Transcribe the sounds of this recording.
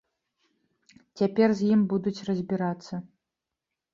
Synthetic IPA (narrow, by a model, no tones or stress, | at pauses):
t͡sʲapʲɛrzʲjimbud̪ut͡sʲrɐzʲbʲiɾat̪sːɐ